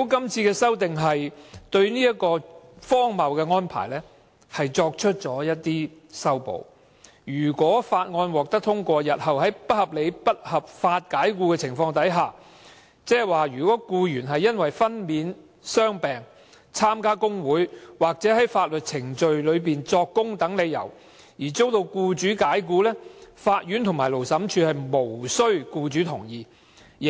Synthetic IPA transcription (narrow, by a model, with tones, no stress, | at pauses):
o˨˥kɐ˥mt͡sʰiː˧kɛː˧sɐ˥wt̪ɪ˨ŋɦɐ˨jt̪ɵ˧ɥniː˥jɐ˥t̚kɔː˧fɔː˥ŋmɐ˨wkɛː˧ŋɔː˥npʰa̰ː˨˩jlɛː˥ | hɐ˨jt͡sɔː˧k̚t͡ʃʰɵ˥t̚t͡sɔː˨˥jɐ˥t̚t̪iː˥ | sɐ˥wpo̰˨˧w | jyː˨˩kʷɔː˨˥faː˧t̚ŋɔː˧nwɔː˨k̚t̪ɐ˥k̚t̪ʰʊ˥ŋkʷɔː˧jɐ˨t̚hɐ˨wɦɐ˨˥jpɐ˥t̚hɐ˨p̚le˨˧jpɐ˥t̚hɐ˨p̚faː˧t̚kaː˨˥jkuː˧kɛ˧t͡sʰɪ˨˩ŋfɔː˧ŋt̪ɐ˨˥jɦaː˨ | t͡sɛː˥waː˨jyː˨˩kʷɔː˨˥kuː˧jyː˨˩nɦɐ˨jːɐ˥nwɐ˨jfɐ˥nmiː˨˧n | sœː˥ŋpɛː˨ŋ | t͡sʰaː˥mkaː˥kʊ˥ŋwuː˨˥jwaː˨˩k̚t͡sɛː˨˥ɦɐ˨˥jfaː˧t̚lɵ˨t̚t͡sʰɪ˨˩ŋt͡ʃɵ˨˧ɥlɵ˨˧ɥpiː˨nt͡sɔː˧kːʊ˥ŋt̪ɐ˨˥ŋle˨˧jːɐ̰˨˩w | jiː˨˩t͡so˥wt̪o˧wkuː˧t͡ʃyː˨˥kaː˨˥jkuː˧lɛː˥faː˧t̚jyː˨˥nt̪ʰʊ˨˩ŋmaː˨˩jlo˨˩wsɐ˨˥mt͡ʃʰyː˧hɐ˨jmo˨˩wsɵ˥ɥkuː˧t͡ʃyː˨˥t̪ʰʊ˨˩ŋjiː˨˧˨